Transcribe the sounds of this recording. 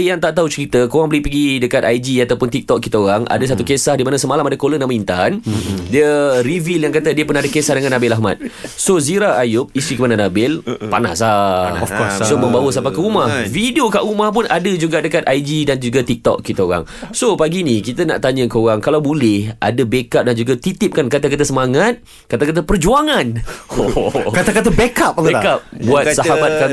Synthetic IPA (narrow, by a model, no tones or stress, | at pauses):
jaŋt̪aʔt̪aut͡ʃəɾit̪əkoɣaŋbəlɪhpəɡidəkat̪ajd͡ʒiat̪awpʊnt̪ik̚t̪ɔk̚kit̪aoɣaŋʔa̰dəs̬at̪ukesahdimanasəmalamadakolənãmaint̪andiəɾiviljaŋkat̪ədiəpənãdəkesahdəŋanabɪlaɦma̰t̪̚soziɾaajʊp̚ist̪ikəmananabɪlpa̰na̰saɔfɔssomə̃mbawəsampakəumahfidiokaʔumahp̬ʊnadəd͡ʒuɡadəkat̪ajd͡ʒidand͡ʒuɡat̪ik̚t̪ɔ̰kkit̪aoɣa̰ŋsopaɡinikit̪ana̰ʔt̪aɲəkəoɣaŋkalawbolɛhʔa̰dəbekap̚dand͡ʒuɡat̪it̪ɪp̚kankat̪akat̪̬asəmaŋat̪̚ | kat̪akat̪̬apərd͡ʒuaŋanokat̪akat̪abekap̚ːkap̚buat̪saɦabat̪ka